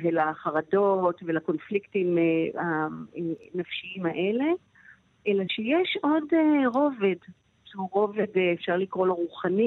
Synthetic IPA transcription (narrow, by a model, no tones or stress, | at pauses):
velaχaʁado̞tvelako̞nfliktimehaenafʃiimaʔe̞le̞ | ʔelaʃejeʃo̞deʁo̞ved | ʃuʁo̞vedeefʃaʁlikʁo̞laʁuχani